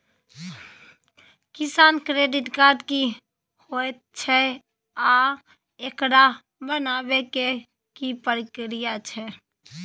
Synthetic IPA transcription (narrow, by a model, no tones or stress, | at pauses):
kisankɾeɖiʈkaɾɖki | hojt̪̚t͡ʃʰɛ | a | ekɽa | bənabeke | kipəɾikɾijat͡ʃʰɛ